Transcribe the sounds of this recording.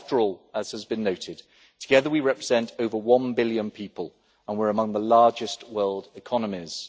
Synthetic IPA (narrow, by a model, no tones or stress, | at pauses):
ftəɹɔːlˠəz̥əzbɨ̃nːəʊtʰɪd̚ | tʰəɡɛðəwiɹɛpɹɪz̥ɛ̃ntʰəʊvəwʌ̃nbɪljə̃npʰiˑpəlˠ | ə̃nwɪɹəmʌ̃ŋðəlɑːd͡ʒɪstwɜːlˠdɪkʰɒnəmɪz̥